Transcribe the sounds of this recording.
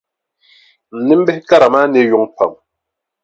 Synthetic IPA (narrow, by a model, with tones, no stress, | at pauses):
n̩˨nɛ˦m̩˦bɛ˦ka˦ɾa˨ma˦ne˦ju˨˦ŋpa̰˨m